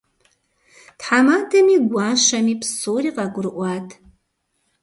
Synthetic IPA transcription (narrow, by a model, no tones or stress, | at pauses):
tħamaːdʰɐmiːɡʷɑːʃɐmiːpsoːriːqɑɡʷʊɾɨʔʷɑːtʰ